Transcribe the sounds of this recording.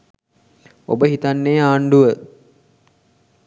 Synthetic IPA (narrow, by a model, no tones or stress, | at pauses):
o̰bəɦit̪anːeːaːɳɖuʋə